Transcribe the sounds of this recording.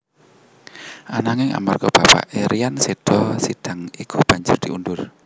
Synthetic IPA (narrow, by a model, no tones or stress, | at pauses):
ʔanaŋɪŋa̰markɔb̥apa̰ʔeɾijanseɖ̥ɔsid̥a̤ŋikʰub̥a̤ɲd͡ʒʊrd̥̪iundʊr